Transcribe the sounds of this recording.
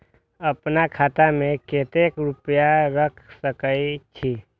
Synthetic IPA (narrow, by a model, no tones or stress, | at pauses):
əpnakʰaːt̪amẽkeːt̪ekɾʊpjaɾəkʰsəkəit͡ʃʰiː